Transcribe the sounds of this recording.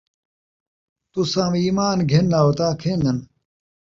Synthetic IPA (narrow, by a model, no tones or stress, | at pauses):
t̪usãːmiːmaːnɡʱenːaːot̪aːkʰeːnd̪ɐn